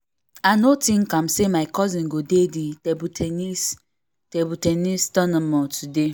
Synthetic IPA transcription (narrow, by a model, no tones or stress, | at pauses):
anotĩŋkãm̩semaɪkɔzĩnɡodediebuteis | tebutenistɔnɔmɔtʰude